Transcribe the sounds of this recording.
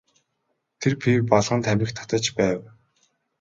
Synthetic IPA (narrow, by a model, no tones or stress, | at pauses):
t̪ʰerpʰirpɔɮʁə̆nt̪ʰæmʲɪ̆xt̪ʰːḁt̪ə̆t͡ɕpæːw